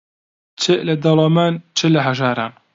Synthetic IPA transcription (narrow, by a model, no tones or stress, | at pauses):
t͡ʃʰɨlɐd̪ɐlɑmaːnt͡ʃʰɨlɐɦɐʒaːɾa̰ːn